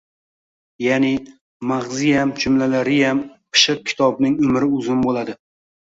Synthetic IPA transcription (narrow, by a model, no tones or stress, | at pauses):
janɪ | maʁzɪjamd͡ʒʰʊmlalaɾɪjampʰɨ̥ʃɨq̚kʲʰɪ̥t̪ʰɒbnɪŋʊmɾɪʊzɪnbolad̪ɪ